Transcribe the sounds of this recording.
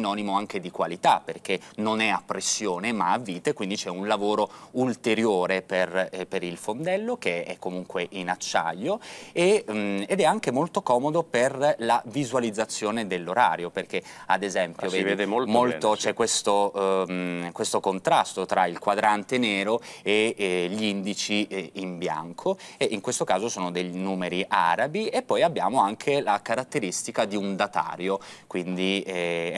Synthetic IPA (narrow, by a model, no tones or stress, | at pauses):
inɔːnimoaŋked̪ikwalit̪apːerk̟enonɛapːɾesːjoːnemaavːiːt̪ekwind̪it͡ʃɛunlavoːɾoult̪eɾjoːɾeperpeɾilfond̪ɛlːokeɛ̰kːomuŋkweʔinat͡ʃːa̰ʎːoeːd̪ɛaŋk̟emolt̪okɔːmod̪operlavizwalid̪zːat̪sːjoːned̪elːoɾa̰ːɾjoperk̟ea̰d̪ezɛmpjoveed̪ommolt̪ot͡ʃɛkːwest̪o | kwest̪okont̪ɾast̪ot̪ɾailkwad̪ɾant̪eneːɾoeʎind̪it͡ʃiimbja̰ŋkʰoeʔiŋkwest̪okaːzosoːnod̪ejnuːmeɾiʔa̰ːɾabiepːɔjabːja̰ːmoaŋkʰelakaɾat̪ːeɾist̪ikad̪iund̪at̪a̰ːɾjokwind̪i